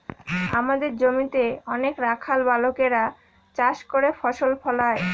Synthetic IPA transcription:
amad̪eɾd͡ʑomit̪eɔnekɾakʰalbalokeɾa | t͡ɕaʃkoɾefɔʃolpʰɔlae

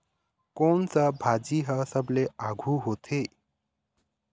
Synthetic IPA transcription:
koɳt͡səbʱad͡ziɦəsəbleaɡʱuɦot̪ʰe

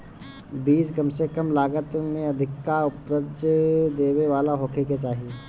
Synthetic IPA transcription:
biːd͡ʒkɐmsekəmlaːɡət̪mẽɐd̪ʱɪkːaʊpɾəd͡ʒd̪eːweʋaːlaɦoːkʰeket͡ʃaːɦie

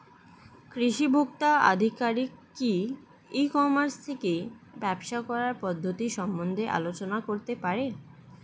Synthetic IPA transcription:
kɾiʃibʱok̚t̪aa̰d̪ʱikaɾikːi | ikɔmaɾst̪ʰeke | bɛbʃakɔɾaɾpɔd̪ʱːot̪iʃɔmbond̪ʱeʔa̰lot͡ɕonakoɾt̪epaɾe

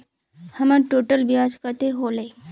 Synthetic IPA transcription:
hɐmaɾʈoːʈəlbiad͡ʒkət̪eɦole

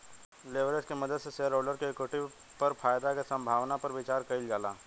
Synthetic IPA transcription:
leːʋɾeskemɐd̪əd̪seseəɾoːɖəɾkeekweʈɪʋ | pɐɾfʰaːjd̪akesɐ̃mbʱaːʋnapɐɾʋɪt͡ʃaːɾkɐɪld͡ʒaːlaː

